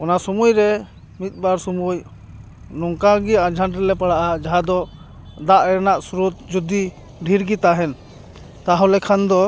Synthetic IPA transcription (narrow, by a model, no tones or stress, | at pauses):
ɔnasɔmujɾɛ | mit̪̚ˀbaɾsɔmuj | nɔŋkaɡiad͡ʒʱanʈɾɛlɛpaɽaʔad͡ʒaɦad̪ɔ | d̪aʔɛɾnaʔsuɾut̪̚d͡ʒud̪i | ɖʱiɾɡit̪aɦɛn | t̪aɦɔ̃lɛkʰand̪ɔ